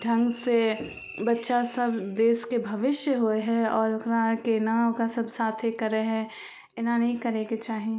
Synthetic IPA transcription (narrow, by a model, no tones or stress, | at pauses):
ɖʱɐ̃ŋɡse | bɐtːʃasɐbd̪eːskebʱɐʋɪʃjəɦoeɦɛ̃ɔːɾkɾaːɾkenaːkasɐbsaːt̪ʰekɐɾeɦɛ̃ | ɪnãnɐɦĩkɐɾeːɡet͡ʃaːɦiẽ